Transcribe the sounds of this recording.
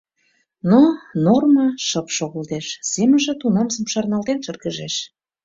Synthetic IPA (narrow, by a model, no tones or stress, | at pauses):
nonormɑʃɤpʃoɣə̆lt̪eʃsemənʒĕt̪unɑmzə̆mʃɑrnɑlt̪enʃər̚ɡəʒeʃ